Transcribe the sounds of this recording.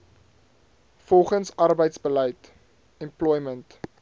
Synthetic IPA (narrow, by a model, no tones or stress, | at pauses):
fɔlˠχənsɐrbəjtsbələjt | ɛmplɔjmənt